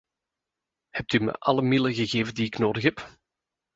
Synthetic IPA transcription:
hɛp̚tymə̰ʔɑləmɪləɣəɣeːvəndiɪknoːdəxɦɛp

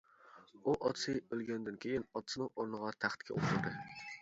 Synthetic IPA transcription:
uʔɒt̪sɨølˠɡʲænd̪ɪnkʲʰejɪnɒt̪sɨnɪŋoɾnɨʁɑt̪ʰæχt̪kʲʰɛ̰ʔo̰ʃʊɾˠd̪ɨ

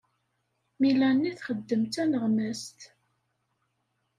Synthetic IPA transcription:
milænːiθχəd̪ːəmt̪ænəʁmæst̪

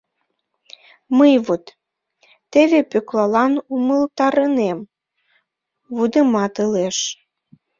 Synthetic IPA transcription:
məjβut̪ː | eβepøklɑlɑnuməlt̪ɑɾənem | βud̪əmɑt̪əleʃ

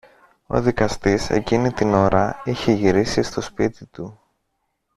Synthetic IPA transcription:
o̞̰ðikɐst̪ise̞̰cinit̪ino̞ɾɐiçe̞ʝiɾisist̪o̞spit̪it̪u

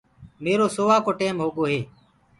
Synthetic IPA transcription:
meːɾoːsoːʋaːkoːʈeːmɦoːɠoːɦeː

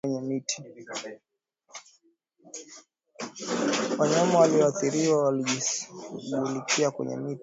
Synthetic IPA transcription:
ɲɛmitʰi̥ | waɲamawaliɔaθiɾiwawaliʄiɓulikʰiakwɛ̰ɲɛ̰mit

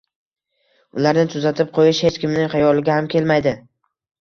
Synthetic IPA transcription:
ʊlaɾnɪt̪ʰʊzat̪ʰɪp̚qʰojɪʃhe̞t͡ʃkʲɪmnɪŋχɑjɒlˠɪɡʲahamkʲʰe̞lmajd̪ɪ

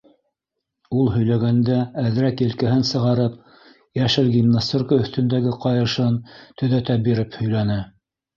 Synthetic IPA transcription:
ulˠhɵ̆jlæɡænd̪æːð̆ɾækĭlkæɦɘnsɤ̆ʁɑɾɤp | jæʃɘlɡʲimnast̪orkəɵ̆θt̪ɵ̆nd̪æɡɘqɑjɤ̆ʃɤnt̪ʰɵ̆ðæt̪æbiɾɘphɵ̆jlænɘ

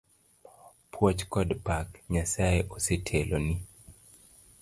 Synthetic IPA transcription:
pʰwɔt͡ʃkɔdpakɲasaeʔosetʰeloni

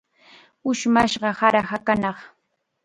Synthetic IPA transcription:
ʊʃmaʃɢɑhaɾɑhakanɑχ

